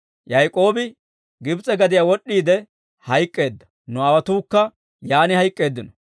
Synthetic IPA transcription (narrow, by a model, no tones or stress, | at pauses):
jɐjkʼo̞ːbɪ | ɡɪbt͡sʼɛɡɐd̪ɪjaːwɔɗːiːd̪ɛ | hɐjkʼːe̞ːd̪ːɐ̥ | nʊɐwɐt̪uːkːɐ | jaːnɪhɐjkʼːe̞ːd̪ːɪnɔ